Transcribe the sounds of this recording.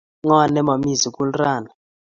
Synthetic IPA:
ŋa˦˨nɛ˦ma˨mi˦˨zi˨kʼu˦lraː˨na˨

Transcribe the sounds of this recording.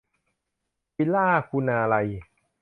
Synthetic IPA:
pi˧laː˥˩kʰu˧naː˧la˧j

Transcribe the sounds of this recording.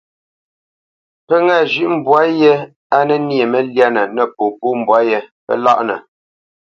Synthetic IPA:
pə˦ŋaː˦˨ʒʉ˦ʔm̩˨bwa˦je˦ | a˦nɛ˦nje˨mə˦lja˦nə˨nə˨po˨pu˦m̩˨bwa˦jɛ˦pə̰˦la̰˦ʔnə̰˨

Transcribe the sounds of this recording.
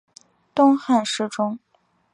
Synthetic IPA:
t̪ʊ˥ŋxa˥˧nʂɻ̩˥˩ʈ͡ʂʊ˥ŋ

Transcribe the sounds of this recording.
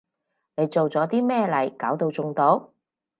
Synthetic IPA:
ne˨˧jt͡so˨wt͡sɔː˨˥t̪iː˥mɛː˥˧lɐ˨˩jkaː˨˥wt̪o˧wt͡sʊ˧ŋt̪o˧˥w

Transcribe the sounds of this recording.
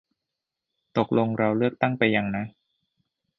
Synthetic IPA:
t̪o˨˩k̚lo˧ŋɾa˧wlɯ˥˩ək̚t̪a˥˩ŋpa˧jːa˧ŋna˦˥

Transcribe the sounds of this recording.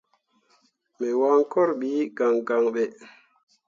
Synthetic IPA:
mɛ˨wa˦ŋkɔ˦ɾɓi˨˦ɡa˨ŋɡa˨ŋɓɛ˨

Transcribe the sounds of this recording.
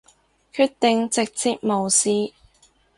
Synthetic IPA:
kʰyː˧t̚t̪ɪ˨ŋt͡sɪ˨k̚t͡siː˨t̚mo˨wsiː˨˧

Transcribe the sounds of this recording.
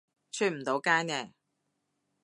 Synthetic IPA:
t͡ʃʰyː˥˩m̩˨˩t̪o˨˧˥wkaː˥nɛː˧˩

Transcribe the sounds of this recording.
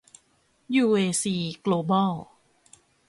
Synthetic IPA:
juː˧ʔeː˧siː˧kloː˧bɔː˥˩w

